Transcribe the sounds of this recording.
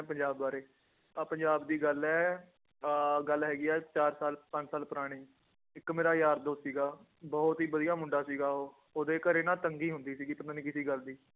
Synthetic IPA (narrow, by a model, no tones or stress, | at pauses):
ɛ̃ːpəɲd͡ʒaːbːaːɾeː | pəɲd͡ʒaːbd̪iːɡəlɛː | ɡəlɦɛːɡiːɛːt͡ʃaːɾsaːlpə̃ɲd͡ʒsaːlpəɾaːɽ̃iː | ɪkːmeːɾaːjaːɾd̪oːsiːɡaː | bɔːt̪ɦiːbəd̪ijaːmʊɳɖaːsiːɡaːoː | oːd̪eːkəɾeːnaːt̪əŋɡiːɦʊ̃nd̪iːsiːɡiːp̪ənõnĩːkɪsiːɡəld̪iː